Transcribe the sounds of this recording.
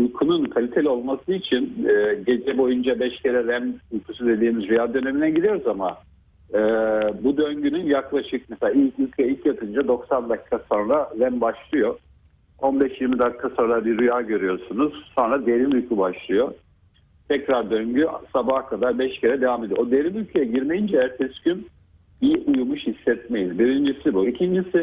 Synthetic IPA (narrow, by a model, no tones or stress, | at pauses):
ujkʰununkʰalʲit̪ʰe̞lʲio̞lˠmasɯit͡ʃʰinɛːɟe̞d͡ʒɛbo̞jund͡ʒabɛʃcʰeɾɛɾæmujkʰus̬ud̪e̞d̪iːmizɾujaːd̪ø̞ne̞minɛɟiɾijo̞ɾuzama̰ | ɯːbud̪øɲɟynynjaklˠaʃɯk̚mɛseaːilʲcylʲcʰvɛilʲcjat̪ʰɯnd͡ʒad̪o̞ksand̪akʰːaso̞nɾaɾɛmbaʃlˠɯjo̞ | o̞nbɛʃjiɾmid̪akʰːasonɾˠabiɾujaːɟø̞ɾyjo̞ɾsunuz̥so̞nɾad̪e̞ɾimylʲcʰybaʃlˠɯjo̞ | t̪ʰɛcɾaɾd̪øɲɟysabahkʰad̪aɾbɛʃcʰeɾɛd̪evaːmed̪ijood̪e̞ɾimylʲcʰejɛɟiɾmejind͡ʒɛjɾt̪ʰɛscyn | biʔujumuʃhisːɛt̪̚me̞jizbiɾind͡ʒisibuicʰind͡ʒisɪ